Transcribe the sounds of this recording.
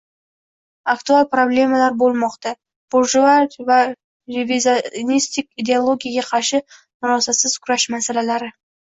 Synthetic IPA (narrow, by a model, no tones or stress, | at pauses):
akt̪ualˠpɾoblʲe̞malaɾbolˠmɒqt̪a | b̥oʒuaɾva | ɾeviznist̪ik̚ʲid̪ʲeolˠo̞ɡʲijaɡʲaqʰɑɾʃɪ | mʊɾɑsasɪz̥kʲʰʊɾaʃmasalalaɾɪ